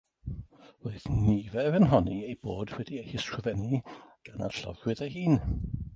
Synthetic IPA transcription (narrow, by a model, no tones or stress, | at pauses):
roːɨðnivɛvənɦɔniejboːd̥wɛdiejhɪskʰrəvɛniɡ̥ana̰rɬɔ̰vwɨðejhiːn